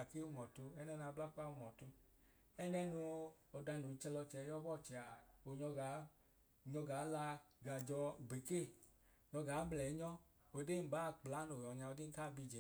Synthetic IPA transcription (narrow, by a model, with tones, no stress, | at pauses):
a˨ke˦u˧˦mɔ˨tu˧ɛ˦nɛ˧n˧a˧bla˦ka˦u˧mɔ˨tu˧ | ɛ˦nɛ˧nu˧ | ɔ˧da˧˨nu˨˦t͡ʃɛ˧lɔ˧t͡ʃɛ˧˦jɔ˦bɔ˦˨t͡ʃɛ˨a˨o˨ɲɔ˧ɡa˨˦˨ | ɲɔ˧ɡaː˨˦la˧ɡa˨d͡ʒɔ˧ɡ͡be˨ke˦˨ | ɲɔ˨˧ɡaː˨˦mlɛ˨˦ɲɔ˦ | o˨de˦m̩˨baː˨˦˨k͡pla˨˦no˨ɔ˨ɲa˧o˧de˦ka˦˨bi˧d͡ʒɛ˨˦